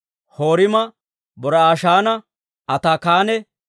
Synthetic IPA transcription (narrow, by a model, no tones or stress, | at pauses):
hoːɾɪmɐ | bɔɾɐaːʃaːnɐ | ʔɐt̪aːkaːnɛ